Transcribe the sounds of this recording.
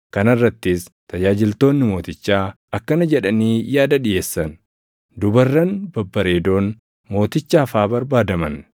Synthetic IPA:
kɐnɐrːɐt̪ːɪs | t̪ɐd͡ʒaːd͡ʒɪlt̪o̞ːnːɪmo̞ːt̪ɪt͡ʃːaː | ɐkːɐnɐd͡ʒɛᶑɐniːjaːd̪ɐᶑɪjeːsːɐn | d̪ʊbɐrːɐnbɐbːɐɾe̞ːd̪o̞ːn | mo̞ːt̪ɪt͡ʃːaːfaːbɐɾbaːd̪ɐmɐn

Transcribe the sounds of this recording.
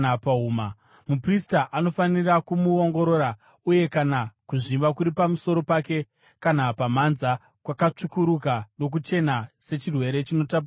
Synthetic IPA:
apauːma | mupristaʔano̞fanirakumuoŋɡo̞ɾo̞ːɾa | uje̞kanakuʐiʋakuɾipamuso̞ɾo̞pake̞ | kanapamanza | kwakat͡ʂukuɾukano̞k̬ut͡ʃe̞nase̞t͡ʃirwe̞ɾe̞t͡ʃino̞tapa

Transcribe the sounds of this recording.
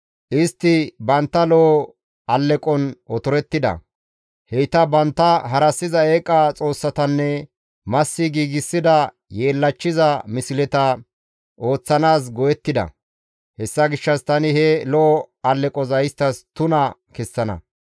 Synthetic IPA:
ʔɪst̪ːɪbɐnt̪ːɐlɔ | ɐlːɛkʼɔnɔt̪ɔɾɛt̪ːɪd̪ɐ̰ | hɛjt̪ɐbɐnt̪ːɐɦɐɾɐsːɪzɐeːkʼːɐt͡sʼo̞ːsːɐt̪ɐnːɛ | mɐsːɪɡiːɡɪsːɪd̪ɐ | je̞ːlːɐt͡ʃːɪzɐmɪsɪlɛt̪ɐ | ʔo̞ːt͡sːɐnaːs̬ɡɔjɛt̪ːɪd̪ɐ̰ | hɛsːɐɡɪʃːɐst̪ɐnɪhɛlɔʔɔɐlːɛkʼɔzɐjɪst̪ːɐst̪ʊnɐkɛsːɐnɐ̰

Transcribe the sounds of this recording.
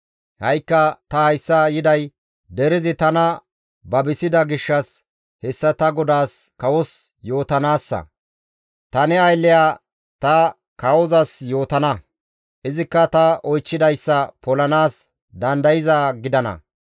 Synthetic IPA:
hɐjkːɐt̪ɐhɐjsːɐjɪd̪ɐj | d̪ɛɾɪzɪt̪ɐnɐ | bɐbɪsɪd̪ɐɡɪʃːɐs | hɛsːɐt̪ɐɡɔd̪aːs | kɐwɔs | jo̞ːt̪ɐnaːsːɐ̰ | t̪ɐnɛɐjlːɪjaː | t̪ɐ | kɐwɔzɐsjo̞ːt̪ɐnɐ | ʔɪzɪkːɐt̪ɐʔɔjt͡ʃːɪd̪ɐjsːɐpɔlɐnaːs | d̪ɐnd̪ɐjɪzɐɡɪd̪ɐnɐ̰

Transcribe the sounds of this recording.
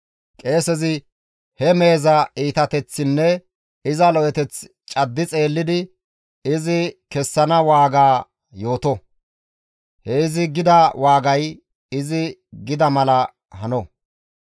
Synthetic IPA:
kʼe̞ːsɛzɪ | hɛme̞ːzɐiːt̪ɐt̪ɛt͡sːɪnːɛ | ɪzɐlɔʔɛt̪ɛt͡s | t͡ʃʼɐd̪ːɪt͡sʼe̞ːlːɪd̪ɪ | ɪzɪkɛsːɐnɐwaːɡaː | jo̞ːt̪ɔ | hɛɪzɪɡɪd̪ɐwaːɡɐj | ɪzɪɡɪd̪ɐmɐlɐ | hɐnɔ

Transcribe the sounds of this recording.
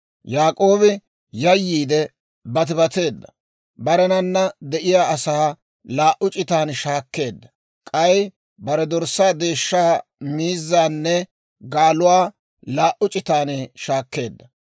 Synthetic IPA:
jaːkʼo̞ːbɪ | jɐjːiːd̪ɛ | bɐt̪̬ɪbɐt̪e̞ːd̪ːɐ̥ | bɐɾɛnɐnːɐd̪ɛʔɪjaːɐsaː | laːʔʊt͡ʃʼɪt̪aːnʃaːkːe̞ːd̪ːɐ̥ | kʼɐj | bɐɾɛd̪ɔɾsaːd̪e̞ːʃːaːmiːzːaːnːɛ | ɡaːlʊwaː | laːʔʊt͡ʃʼɪt̪aːnʃaːkːe̞ːd̪ːɐ

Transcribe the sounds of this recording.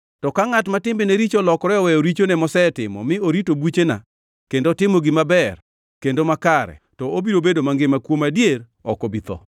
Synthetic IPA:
tɔkaŋatmatɪmbɪneɾit͡ʃɔlɔkɾɛɔwɛjɔɾit͡ʃonɛmɔsɛtɪmɔ̰mɪoɾitobwut͡ʃena̰ | kendotɪmoɡɪmabɛr | kendomakaɾɛ̰ | tɔobiɾobedomaŋɡɪmakwomadjer | ɔkɔbit̪ɔ̰

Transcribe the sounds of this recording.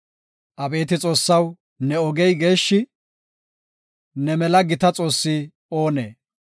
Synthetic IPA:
ʔɐbe̞ːt̪ɪt͡sʼo̞ːsːɐw | nɛɔɡɛjɡe̞ːʃːɪ | nɛmɛlɐɡɪt̪ɐt͡sʼo̞ːsːi | oːneː

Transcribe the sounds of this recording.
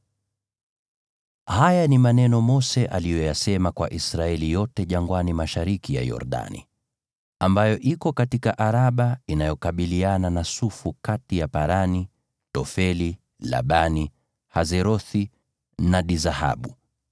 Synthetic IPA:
hajanimanɛnɔmɔsɛʔalijɔjasɛmakwa̰ʔisɾaɛlijɔtɛʄaŋɡwanimaʃaɾikija̰jɔ̰ɾɗa̰nḭ | ambajɔʔikɔkatikaʔaɾaɓainajɔkaɓiliananasufukatijapaɾani | tɔfɛli | la̰ɓani | hazɛɾɔθi | naɗizaha̰ɓu

